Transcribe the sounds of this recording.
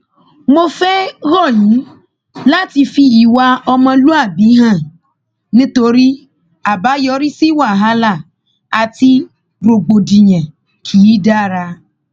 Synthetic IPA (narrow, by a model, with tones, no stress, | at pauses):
mo˧fɛ˦ɣɔ˦˨jĩ˨˦ | la˦ti˧fi˧ji˨˦wa˦ɔ˧mã˧lu˦a˦˨bi˨˦ɦã˦˨ | nĩ˦to˧ɾi˦ | a˨ba˨˦jɔ˨˦ɾi˦si˦wa˦˨ɦa˦la˦˨ | a˨ti˧ | ɾo˧ɡ͡bo˨di˨ɲɛ̃˨ | kʰi˨˦i˦da˦˨ɾa˧